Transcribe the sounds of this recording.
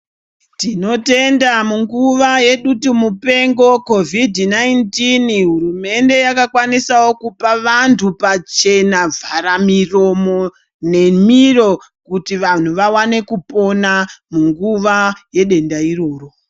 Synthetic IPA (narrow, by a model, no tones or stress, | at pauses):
tino̞te̞ndamuŋɡuʋaje̞ɗutumupe̞ŋɡo̞ko̞vidnaintinɦuɾume̞nde̞jakakwanisawo̞kupaʋantʰupat͡ʃe̞navʱaɾamiro̞mo̞ | ne̞miro̞ | kutiʋan̤uʋawane̞kupo̞namuŋɡuʋaje̞ɗe̞ndairo̞ːro̞